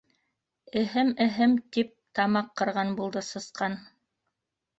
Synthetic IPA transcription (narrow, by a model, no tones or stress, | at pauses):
ɘ̆ɦɘmɘ̆ɦɘmt̪ip̚t̪ɑmɑqːɤ̆ɾʁɑnbulˠd̪ɤsɤ̆sqɑn